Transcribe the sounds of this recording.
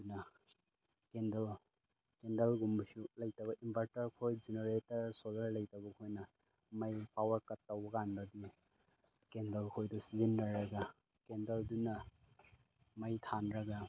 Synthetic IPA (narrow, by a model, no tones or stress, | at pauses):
unɐ | kendɐl | kendɐlɡumbsulɐjtɐβɐʔimbʱaɾtɐɾkʰojd͡ʒineɾetɐɾsolɐɾlɐjtɐbɐkʰojnɐ | mɐjpawɐɾkɐtːɐwbɐɡandɐdi | kendɐlkʰojdɔsizinɾɐɾɐɡɐ | kendɐldunɐ | mɐjtʰanɾɐɡɐ